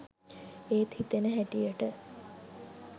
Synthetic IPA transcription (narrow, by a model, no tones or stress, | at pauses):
eːt̪hit̪enəɦæʈijəʈə